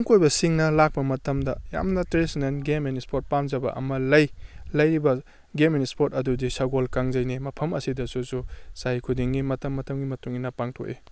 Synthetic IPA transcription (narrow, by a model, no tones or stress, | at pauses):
ŋkojbɐsiŋnɐlak̚pɐmɐtɐmdɐja̰mnɐtɾesinenɡemenispʰoɾt̚pamzɐbɐ̰ʔɐ̰mɐlɐjlɐjɾibɐ | ɡemenispoɾtɐdudisɐɡolkaŋzɐjnimɐpʰɐmɐsidɐsususajkʰudiŋɡimɐtɐmːɐtʰɐmɡimɐtuŋinɐpaŋtʰo̰ʔe